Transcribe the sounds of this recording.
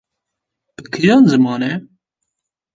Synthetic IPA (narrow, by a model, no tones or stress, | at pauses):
bɨkʰɾjɑːnzɨmɑːnɛ